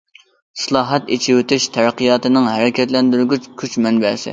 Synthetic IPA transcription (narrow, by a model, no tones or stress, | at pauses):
sɨlˠɑːɦɛt̪et͡ʃʰiwyt̪ʰɪʃt̪ʰæɾqijɑːt̪ɨnɪŋɦæɾɪkʲʰɛt̪lɛnd̪yɾɡʲyt͡ʃkʲʰyt͡ʃmɛnbɛsɪ̰